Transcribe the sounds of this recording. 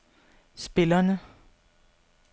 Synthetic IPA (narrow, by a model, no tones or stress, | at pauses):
sb̥ɪ̝lɐnə